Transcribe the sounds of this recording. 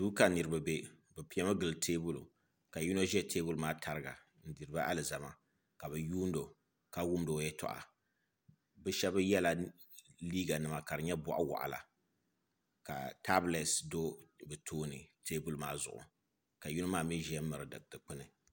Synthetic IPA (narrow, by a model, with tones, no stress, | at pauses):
duː˦ka˨nɨ˨ɾɨ˨ba˨be˦ | bɨ˨pi˨˦ɛ˦ma˦ɡɨ˨ltʰeː˦bu˦lṵ˨ | ka˨ju˦no˦ʒɛ˦tʰe˦bu˦lmaː˦tʰa˨ɾɨ˦ɡa̰˨ | n̩˦dɨ˨ɾɨ˦ba˦ʔa˦lɨ˨za˨ma˦ | ka˨βɨ˨juː˦n˦do˨ | ka˦wu˦mdo˨˦jɛ˦tɔ̰˨ʔa̰˨ | bɨ˦ʃɛ˦bɨ˦jɛ˦la˨ | liː˦ɡa˨nɨ˨ma˨ka˨ɾɨ˨ɲɛ˦bɔ̰˨ʔa̰˦wa̰˨ʔa̰˨la̰˨ | ka̰˨ta˦blɛ˨sdo˦bɨ˨tʰoː˦nɨ˨tʰeː˦bu˦lmaː˦zʊ̰˨ʔʊ̰˨ | ka˨ju˦no˦maː˦˨mi˦ʒɛ˦ɛ˦m˦mɨ˨ɾɨ˨˦dɨ̰˨ktɨ˨k͡pɨ˦nɨ˨